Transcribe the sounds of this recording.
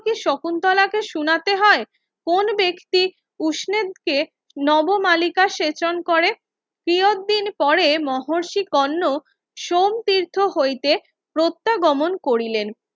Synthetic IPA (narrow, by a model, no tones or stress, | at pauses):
kiʃokunt̪ɔlakeʃunat̪eɦɔe | konbekt̪i | uʃned̪ke | nɔbomalikaʃet͡ɕonkoɾe | kɾiot̪̚d̪inpɔɾemɔɦoɾʃikɔnːo | ʃomt̪iɾt̪ʰoɦojt̪e | pɾot̪ːaɡɔmonkoɾilen